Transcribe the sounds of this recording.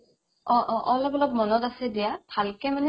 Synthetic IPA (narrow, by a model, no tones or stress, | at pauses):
ɔɔlɔpɔlɔp̚mɔnɔtasɛdijabʱalkɛmanɛ